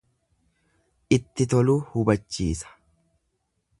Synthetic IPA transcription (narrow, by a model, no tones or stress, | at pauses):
ʔɪt̪ːɪt̪ɔluːhʊbɐt͡ʃːiːsɐ̥